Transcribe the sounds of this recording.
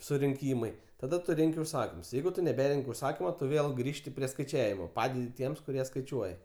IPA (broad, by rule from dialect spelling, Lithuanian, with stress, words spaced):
sʊrʲɪŋʲˈkʲiːmɐɪ tɐˈdɐ ˈtʊ ˈrʲɛŋʲkʲɪ ʊʃˈsɑːkʲɪms ˈjɛɪɡʊ tʊ nʲɛˈbʲæːrʲɛŋʲkʲ ʊʃˈsɑːkʲɪmʊ ˈtʊ ˈʋʲeːlˠ ˈɡrʲiːʃʲtʲɪ pʲrʲiɛ skɐɪˈt͡ʃʲæːʋʲɪmoː ˈpɑːdʲɛdʲɪ ˈtʲiɛms kʊˈrʲiɛ skɐɪˈt͡ʃʲuɔjɛ